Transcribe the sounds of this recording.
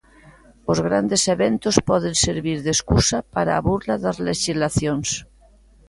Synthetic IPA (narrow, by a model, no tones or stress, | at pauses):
ozɣ̞ɾand̪eseβent̪ospɔð̞enseɾβiɾðeskusapaɾaːβuɾlaðazleʃizlaθjons